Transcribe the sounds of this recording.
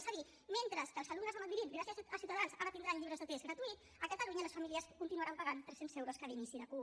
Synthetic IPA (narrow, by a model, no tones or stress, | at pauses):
saði | ment̪ɾəskəlˠzəluɡnəzðəməmiɾit̪ɡɾasiəasiwt̪əðansaɾət̪ind̪ɾaɲʎiβɾəzðət̪esɡɣɾət̪uit̪ | əkət̪əluɲələsfamiliəskunt̪inuaɾampəɣant̪ɾɛsenzewɾoskəðinisiðəku